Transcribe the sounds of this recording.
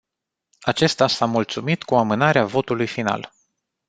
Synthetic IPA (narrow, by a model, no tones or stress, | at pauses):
at͡ʃe̞st̪asamult̪sumit̪kuamɨnaɾeavo̞t̪ulujfina̰l